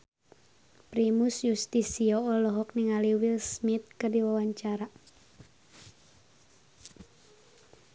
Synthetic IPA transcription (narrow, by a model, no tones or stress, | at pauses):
pɾimusjust̪isiɔɔlɔɦɔk̚niŋaliwilsmit̪̚kɨrdiwawaɲt͡ʃaɾa